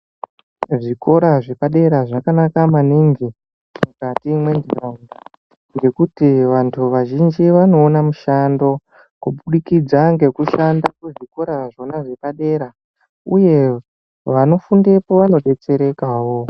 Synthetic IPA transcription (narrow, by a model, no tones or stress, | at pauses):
ʐiko̞ɾaʐe̞paɗe̞ɾaʐakanakamaniŋɡi | mukatimwe̞ndʱiraunda | ŋɡe̞kutiʋantʰuʋaʒind͡ʒiʋano̞ːnamuʃando̞ | kuɓuɗikid͡zaŋɡe̞kuʃandakuʐiko̞ɾaʐo̞naʐe̞paɗe̞ɾa | uje̞ | ʋano̞funde̞po̞ʋano̞ɓe̞t͡se̞ɾe̞kaːwo̞